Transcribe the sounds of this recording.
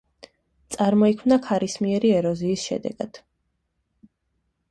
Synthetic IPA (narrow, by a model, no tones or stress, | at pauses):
t̪sʼaɾmɔikʰmnakʰaɾismiɛɾiɛɾɔziːsʃɛ̰d̪ɛ̰ɡ̥a̰d̪̥